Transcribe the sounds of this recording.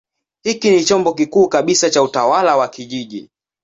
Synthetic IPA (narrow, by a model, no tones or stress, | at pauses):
hikinit͡ʃɔmbɔk̬ikuːkaɓisat͡ʃautawalawakiʄiʄḭ